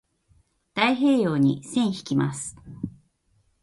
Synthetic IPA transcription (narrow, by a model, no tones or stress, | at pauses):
d̪̥aiɦe̞ːjoːɲ̟isẽ̞ɰ̃çi̥kʲima̰sɨ̥